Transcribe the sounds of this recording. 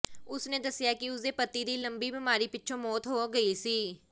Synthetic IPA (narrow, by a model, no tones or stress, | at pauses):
ʊsned̪əsɪjaːkiʊsepət̪ːid̪iːlə̃mbibɪmaːɾipɪtːʃʰõmɔːt̪ɦoɡəisiː